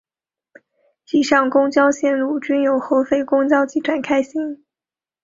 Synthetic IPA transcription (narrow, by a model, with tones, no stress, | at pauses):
t͡ɕi˥˩ʂɑ˥˩ŋkʊ˥ŋt͡ɕjɑ˥ʊɕjɛ˥˧nlu˥˩t͡ɕy˥njo˨˩ʊxo˧˥ʊfe˥˩ɪkʊ˥ŋt͡ɕjɑ˥ʊt͡ɕi˧˥˩ʈ͡ʂʰwa˨˩nkʰa˥ɪɕi˥ŋ